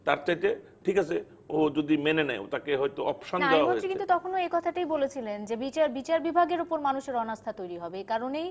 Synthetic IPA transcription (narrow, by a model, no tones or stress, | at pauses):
t̪a̰ɾt͡ɕajt̪e | ʈʰikat͡ɕʰe | od͡ʑod̪imenenɛjo̰t̪akeɦɔjt̪oɔpʃonadaeaaɦoeɾikint̪ut̪ɔkʰonoekɔt̪ʰaʈajbolet͡ɕʰilend͡ʑebit͡ɕaɾbit͡ɕaɾbibʱaɡeɾopoɾmanuʃeɾɔnast̪ʰat̪ojɾiɦɔbeekaɾonej